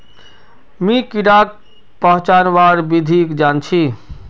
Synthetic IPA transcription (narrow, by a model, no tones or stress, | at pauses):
mikiɽak̚ | pəɦt͡ʃanʋaɾbid̪ʱikd͡ʒant͡ʃʰi